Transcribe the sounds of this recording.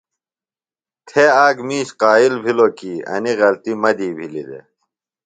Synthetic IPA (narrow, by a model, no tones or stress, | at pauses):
t̪ʰeaːɡmiːɕqaːilbʱilokiːɐ̰niɣɐlt̪imɐd̪iːbʱilḭd̪ḛ